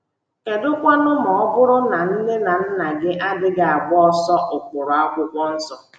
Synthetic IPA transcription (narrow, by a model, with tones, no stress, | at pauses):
e˨dʊ˦kʷa˦nʊ˦mɔ˨ɔ˦bʊ˦ɾʊ˦na˨n̩˦ne˦na˨n̩˦na˨ɡɪ˦ʔa˦dɪ˦ɡa˨a˨bʊ˦ɔ˦sɔ˦ʔʊ˨kʷʊ˨ɾɔ˨a˦kʷʊ˦kʷɔ˦n̩˦sɔ˨